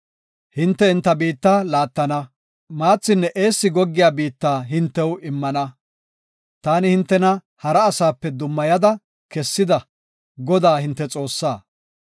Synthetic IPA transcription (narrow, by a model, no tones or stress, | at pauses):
hɪnt̪ːɛɪnt̪ːɐbiːt̪ːaːlaːt̪ːɐnɐ | maːt͡sːɪnːɛʔe̞ːsːɪɡɔɡːɪjaːbiːt̪ːaːɦɪnt̪ːɛwɪmːɐnɐ | t̪aːnɪhɪnt̪ːɛnɐ | hɐɾɐːsaːpːɛd̪ʊmːɐjɐd̪ɐ | kɛsːɪd̪ɐ | ɡɔd̪aːhɪnt̪ːɛt͡sʼo̞ːsːaː